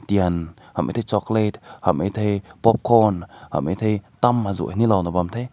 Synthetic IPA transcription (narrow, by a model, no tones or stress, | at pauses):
t̪iən | hamʔḛt̪ʰjt͡ʃɔklet̪̚ha̰mʔejt̪ʰejpɔp̚kʰɔnha̰mʔejt̪ʰejt̪amhazṵʔanilɔnɔbamt̪ʰe